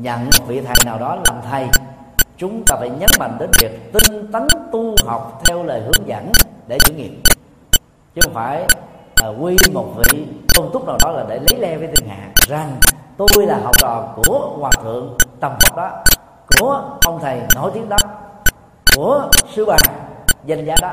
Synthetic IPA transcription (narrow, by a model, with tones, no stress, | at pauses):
ɲə̰˧˨nmo˨˩t̚vḭ˧˨t̪ʰə˨˩jnaː˨˩wɗɔ˨˦laː˨˩mt̪ʰə˨˩j | t͡ɕʊ˨˦ŋ͡mt̪aː˧fa˧˩jɲə˨˦nma̰˧˨ŋɗe˨˦nvi˨˩ək̚t̪i˧ŋ̟t̪ə˨˦nt̪u˧ɦa˨˩wk͡p̚t̪ʰɛ˧wləː˨˩jhɨ˨˦əŋzə̰˧˥nɗe˧˩t͡ɕṵ˧˩˦ŋḭ˧˨əm | t͡ɕɨ˨˦xə˧wŋ͡mfaː˧˩j | kwi˧mo˨˩t̚vḭ˧˨kə˧wŋ͡mt̪ʊ˦˥k͡p̚naː˨˩wɗɔ˨˦laː˨˩ɗe˧˩lə˨˦jlɛ˧vəː˨˦jt̪i˧ŋ̟ha̰ː˧˨ŋza˨˩ŋt̪o˧jlaː˨˩ɦɔ˨˩wk͡p̚t͡ɕɔ˨˩ku˧˩əkwaː˨˩t̪ʰɨ̰˧˨əŋt̪ə˨˩mvə˨˩k͡p̚ɗɔ˨˦ | ku˧˩əʔə˧wŋ͡mt̪ʰə˨˩jno̰˧˩˦jt̪i˨˦əŋɗɔ˨˦p̚ | ku˧˩əsɨ˧ɓaː˨˩ŋza˧jŋzaː˨˦ɗɔ˨˦